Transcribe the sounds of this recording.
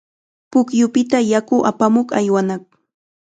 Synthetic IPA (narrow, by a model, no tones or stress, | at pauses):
pʊkjʊpɪt̪ajakʊʔa̰pamoqajwanaχ̚